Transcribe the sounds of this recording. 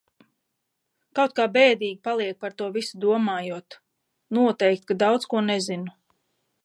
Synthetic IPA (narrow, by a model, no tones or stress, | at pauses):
kawt̪̚kaːbɛːd̪iːɡʲipalˠiɛk̚paɾt̪uɔvisud̪uɔmaːjut̪ | nuɔt̪ɛjkt̪̚kad̪awt̪skuɔnɛzinu